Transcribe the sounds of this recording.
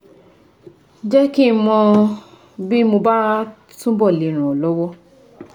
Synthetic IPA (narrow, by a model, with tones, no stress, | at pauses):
d͡ʒɛ˦ki˦mɔ̃˧ | bi˦mo˧ba˦ɾa˦ | tũ˦bɔ˦˨li˨˦˨ɾ̃ũ˨o˨lɔ˦wɔ˦